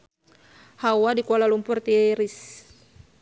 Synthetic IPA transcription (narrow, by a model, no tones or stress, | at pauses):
hawadikɔlalumpʊrt̪iɾis